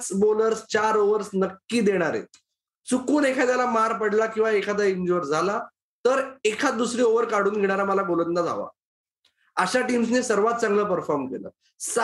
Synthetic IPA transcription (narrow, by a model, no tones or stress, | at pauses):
t͡sboləɾst͡ɕaɾoʋəɾsnəkːiːd̪eɽ̃aɾḛ | t͡sukuːnekʰad̪jalamaɾpəɽlakĩw̃ʋaekʰad̪aiɲd͡ʑoɾd͡zʱala | t̪əɾekʰad̪usɾiːoʋəɾkaɽ̤uːnɡʱeɽ̃aɾaməlaɡolət̪nd̪ad͡zʱa̰ʋa̰ | əɕaʈiːms̬nesəɾʋat̪̚t͡sãŋɡləːpəɾfɔɾmkḛlə̰ | s